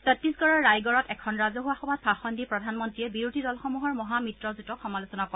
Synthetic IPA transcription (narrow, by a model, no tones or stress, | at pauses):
sɔtːisɡɔɹɔɹːajɡɔɹɔtɛkʰɔnɹazɔɦuwaxɔbat̚pʰaxɔndipɹɔdʱanmɔntɹiɛbiɹudʱidɔlxɔmuɦɔɹmɔɦamitɹɔzutɔxɔmalosɔnakɔ